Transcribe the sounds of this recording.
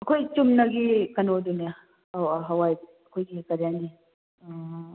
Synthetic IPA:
ɐkʰojt͡ʃumnaɡikɐnod̪unija | waɦɐwaj | kʰojɡikɐɾjani

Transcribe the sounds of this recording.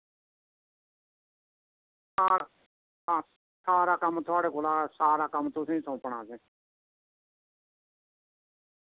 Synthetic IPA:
a | saːɾaːkəmːt̪ʰʊaːɽeːkoːlaːsaːɾaːkəmt̪ʊsĩːsʰə̃ːpəɳ̃aːd͡ʒẽː

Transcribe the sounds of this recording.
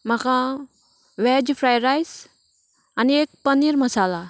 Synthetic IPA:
makʰã | ʋɛːd͡ʒfʰɾaːjɾajs | aniek̚pəniɾmɐsaːla

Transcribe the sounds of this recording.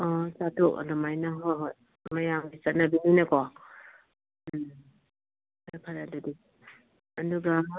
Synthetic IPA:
ɔsatʰɔka̰dɔmajnaɦoɦoj | majambit͡ʃat̚nabininakɔ | dapʰaɾadadi | aduɡa

